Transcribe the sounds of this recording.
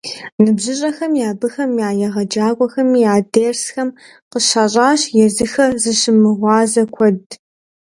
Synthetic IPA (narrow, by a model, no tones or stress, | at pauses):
nɨbʑɪɕʼɐxɐmjaːbɨxɐmjaːjɐʁɐd͡ʒaːkʷʼɔxɐmiːjaːdeːrsxɐm | qəʃaːɕʼaːɕjɛzɨxɐzɨʃɪmɨʁʷɑːzɐkʷʰɔd